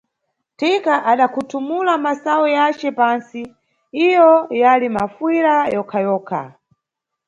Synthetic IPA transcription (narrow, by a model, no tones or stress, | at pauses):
tikaʔaɗakʰutʰumulamasawɔjat͡ʃt͡ʃɛpansi | ijɔjalimafwiɾajɔkʰajɔːkʰa̰